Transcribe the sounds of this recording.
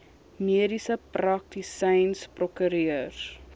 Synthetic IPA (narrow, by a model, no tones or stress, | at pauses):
miədisəprɐk̚tisɛjnsprɔkyɾiər